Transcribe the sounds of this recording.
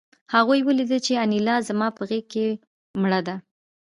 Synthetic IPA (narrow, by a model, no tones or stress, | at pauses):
haɣojwəlid̪əlt͡ʃeanilɑzamɑpəɣekːe | mɽəd̪a